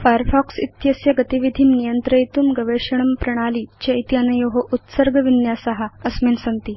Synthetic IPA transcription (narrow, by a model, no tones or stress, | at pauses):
fajəɾfɔksit̪jəsjəɡət̪iʋid̪ʱiːnnijənt̪ɾəjt̪uːmɡəʋeɕəɳ̃əmpɾɐɽ̃aliːt͡ɕejt̪ianəjoɦoʔut̪səɾɡʱəʋinjasəɦaəsmensənt̪iː